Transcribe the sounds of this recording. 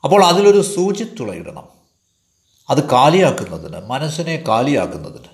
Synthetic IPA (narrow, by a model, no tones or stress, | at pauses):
ɐpːo̞ːɭɐðilo̞ɾusuːt͡ɕit̪ːuɭɐ̰jḭɾɐ̰ɳɐ̰m | ɐðɨkaːlijaːkːunːɐðinɨ̰mɐnɐɕɐne̞kaːlija̰ːkːunːɐðinɨ